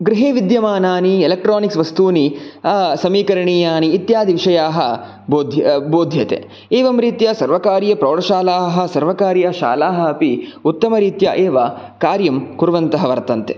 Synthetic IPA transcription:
ɡɾiɦeːʋid̪jɐmaːnaːnielek̚ʈɾoːniksʋɐst̪uːni | sɐmiːkɐɾɐɳiːjaːniːt̪jaːd̪ʱiʋiʃɐjaːɦɐ | boːd̪ʱjɐboːd̪ʱjɐt̪ḛ | eːʋɐmɾiːt̪jɐsɐɾʋɐkaːɾjɐpɾoːɽɐʃaːlaːɦɐsɐɾʋɐkaːɾjɐʃa̰ːlaːɦɐɐpiut̪ːɐmɐɾiːt̪jɐʔeːʋɐ | kaːɾjɐmkuɾʋɐnt̪ɐɦɐʋɐɾt̪ɐnt̪e

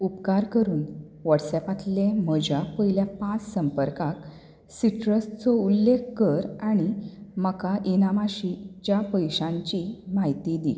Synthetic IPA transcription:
upkaɾkəɾuːn | ʋəʈsɛpat̪lem̤əd͡ʑʱapəɦiljapãt͡ssəmpəɾkak | siʈɾəst͡sɔulːekʰkəɾaɽ̃iməkaʔinamaɕit͡ɕjapəjɕãɲt͡ɕimaɦjt̪id̪ḭ

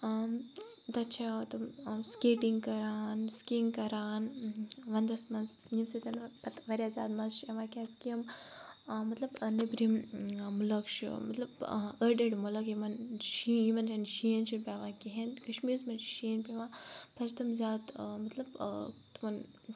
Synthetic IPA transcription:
d̪ɐt͡ʃʰat̪ɐmskeːʈiŋɡkɐɾaːnskiŋɡkɐɾaːnʋɐnd̪ɐsmɐns | nimset̪ɐnpɐt̪ʋɐɾʲazʲja̰ːd̪mɐnzʃɐʋãːkʲaːskiɐm | mɐt̪lɐbnɐbɾimmulɐkʃṵmɐ̰t̪lɐbəɾɖeɖmolɐkjimɐnʃiːjimɐnɾɐnʃiːnt͡ʃʰinpʲaːʋãːkiɦenkɐʃmiːɾsmɐnʃiːnpʲeʋãːpɐt͡ʃt̪ɐmzjaːd̪mɐt̪lɐbt̪umɐn

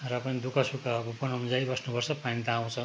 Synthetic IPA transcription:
ɾʌpanid̪ukasukabʱupɔnʌmud͡zaibʌsnubʌɾsʰʌpanĩt̪aːw̃t͡sʰʌ

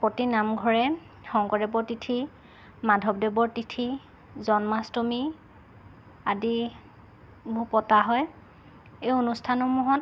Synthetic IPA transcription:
potinamɡʱɔɹɛ | xɔŋkɔdɛbɔɹtitʰi | madʱɔb̚dɛbɔɹtitʰi | zɔnmastomi | adi | bʱupɔtaɦɔj | ejonustʰanɔmuɦɔnt

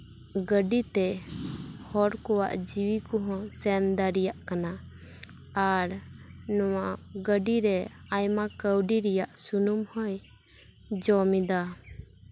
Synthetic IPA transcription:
ɡəɖit̪ɛ | hɔɾkɔwa̰ʔd͡ʒiwikɔɦɔ̃sɛnd̪aɾɛjaʔkanaː | ɾnɔwaʔɡəɖiɾɛajmakəwɖiɾɛjaʔsunumhɔj | d͡ʒɔmid̪a

